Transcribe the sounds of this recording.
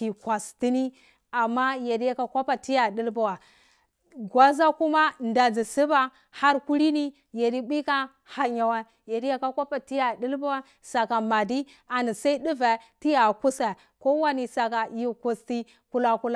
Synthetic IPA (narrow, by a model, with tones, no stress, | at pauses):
ki˨kʷa˨sti˦ni˦ | a˨mːa˦je˨di˦ja˦ka˨kʷa˦pa˨ti˦ja˨di˦lba˨wa˨ | ɡwa˦za˦ku˦ma˦nda˨d͡zi˨si˦ba˦ | ha˦ɾku˦ɾi˦ni˦ | je˨di˦bi˦ka˦ | ha˨ɲa˨wa˦ | je˨di˦ja˦ka˦kʷa˦pa˨ti˦ja˨di˦lba˦wa˦ | sa˨ka˨ma˨di˦ | a˨ni˨sa˦i˦di˦va˨ti˦ja˨ku˦sa˨ | ko˦wa˦ni˨sa˨ka˨ji˦ku˨sti˦ | ku˦la˦ku˦la˦˨